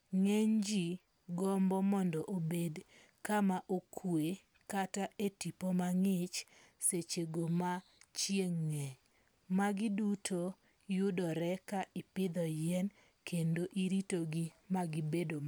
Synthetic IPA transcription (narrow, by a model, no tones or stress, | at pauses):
ŋɛɲd͡ʒi | ɡɔmbɔmɔndɔʔobed | kamaʔokʰwe | kataʔetipomaŋɪt͡ʃ | set͡ʃeɡomat͡ʃjeŋːɛ | maɡɪdutʰo | jʊdɔɾɛkaʔɪpɪd̪ɔjɛn | kʰendoʔiɾitoɡimaɡɪbedoma